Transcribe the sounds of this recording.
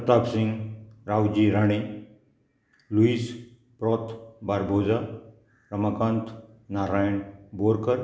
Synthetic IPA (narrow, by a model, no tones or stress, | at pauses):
t̪aksiŋɡɾawd͡ʑiɾaɽ̃e | luis | pɾɔt̪ʰbaɾbʱod͡za | ɾəmakant̪ | naɾajɳboɾkəɾ